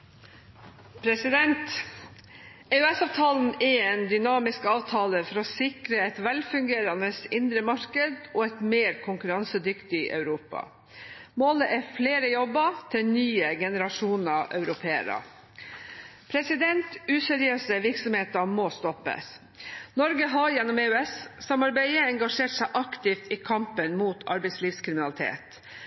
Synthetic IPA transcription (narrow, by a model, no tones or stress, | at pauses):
pʰɾɛsɪd̪ɛnt̪ | ɛʉɛsɑːʋt̪ʰɑːln̩ɛeːnd̪ʏnɑːmɪskɑːʋt̪ʰɑːləfɔɾɔsɪkɾəɛt̪ʋɛlfʉŋɡeːɾɑnəsɪnd̪ɾəmɑɾkəd̪ɔːɛt̪meːɾkʰʊŋkʉɾɑnsəd̪ʏkt̪ɪʔœ̰ʉɾuːpɑ̰ | moːləʔɛfleːɾəjɔbət̪ʰɪlnyːəɡɛnəɾɑʂuːnɑʔœ̰ʉɾʊpʰeːə̰ɾə̰ | pʰɾɛsɪd̪ɛnt̪ʉːsɛɾɪøːsəʋɪɾksɔmheːt̪əmɔːst̪ɔpːə̰ | nɔɾɡəɦɑɾjɛnːɔmeːʉɛssɑmɑɾbæɪəɛŋɡɑʂeːʈsæɪʔɑkt̪ɪft̪ɪkʰɑmpənmuːt̪ɑ̰ɾbɛɪsliːfskʰɾɪmɪnɑlɪt̪ʰḛːt̪